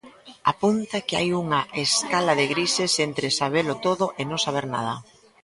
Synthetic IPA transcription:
apunt̪akea̰juŋɐʔeskalaðɪɣɾisesent̪ɾɪsaβ̞elʊt̪oðʊʔenõŋsaβ̞eɾna̰ð̞ɐ

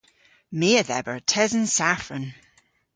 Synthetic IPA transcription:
meəðɛbə˞tʰɛzənsafɹən

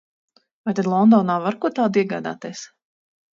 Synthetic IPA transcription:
vajt̪ad̪lˠɔnd̪ɔːnaːvaɾkuɔt̪aːd̪iɛɡaːd̪a̰ːt̪iɛːs

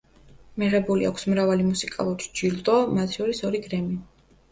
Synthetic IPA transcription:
miʁɛbulḭakʷʰsmɾavalimusikʼa̰lˠuɾd͡ʒilt̪ʼɔmat̪ʰʃɔɾisɔɾiɡɾɛmi

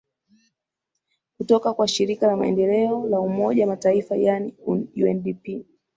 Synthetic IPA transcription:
kutɔkakwaʃiɾikalama̰ɛ̰ndɛlɛɔlaumɔʄawamataifajanijuɛndipi

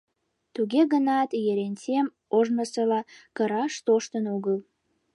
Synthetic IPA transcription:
t̪uɣeɣənɑt̪jeɾenʲt͡sem | oʒnəsəlɑkəɾɑʃt̪oʃt̪ənoɣəl

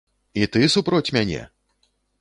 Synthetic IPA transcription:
it̪ɨsupɾɔt͡sʲmʲanʲɛ̰

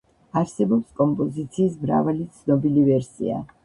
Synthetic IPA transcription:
aɾsɛbɔpskʼɔmpʼɔzit̪sʰiːsmɾa̰valit̪sʰnɔbilivɛɾsḭa̰

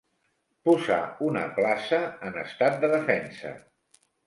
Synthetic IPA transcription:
puza̰unə̰plasəːnəst̪at̪̚d̪əðəfɛnsə̰

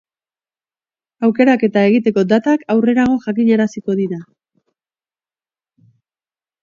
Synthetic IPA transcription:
awke̞ɾake̞t̪ae̞ɣ̞it̪e̞ko̞d̪at̪akawre̞ɾaɣ̞o̞ʝakiɲaɾasiko̞ðiɾa

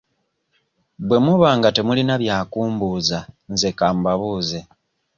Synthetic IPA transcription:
bwe̞muβaːŋɡate̞mulinaβjaːkuːmbuzanzekaːmbaβuːze

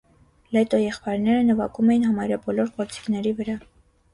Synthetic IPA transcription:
lɛt̪ɔjɛχpɑjɾnɛɾənəvɑkumɛjinɦɑmɑjɾɑbɔlɔɾkɔɾt͡si̥knɛɾivəɾɑ

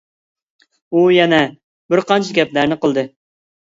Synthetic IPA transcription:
ujɛnɛ | bɪɾqɑnt͡ʃʰikʲɛplæɾnɪqəlˠd̪ɨ

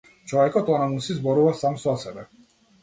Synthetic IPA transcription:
t͡ʃʰɔɛkʼɔt̪ʼɔnamunsis̬bɔɾuvasamsɔasɛvɛ

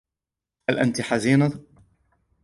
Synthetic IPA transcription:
halʔa̰nt̪iħaziːnat̪ˤ

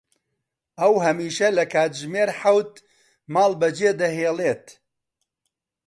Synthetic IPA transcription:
ɐwɦɐmiːʃɐlɐkʰaːt̪ʒmeːɾħawt̪ | maːlˠbɐd͡ʒeːd̪ɐɦeːleːt̪

